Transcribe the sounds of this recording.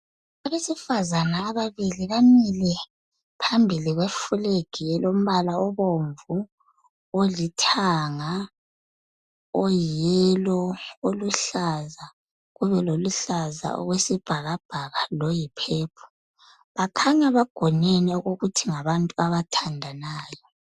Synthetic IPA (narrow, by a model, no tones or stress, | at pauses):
aβesifazanaːβaβiliβamilɛ | pʰambʱiliɣwefuleɡ̥ʱiɛlom̩βalaɔβoɱvu | olitʰaŋa | ɔjɛlɔoluɬaza | ɣuβɛloluɬaza̰ʔɔ̰ɣwesib̥ʱaɣab̥ʱaɣalɔjipʰɛːpʰɔ̥ | βakʰaɲaβaɡ̥ʱɔneniɔɣoɣutʰiŋaβantʼuaβatʰandʱanaːjɔ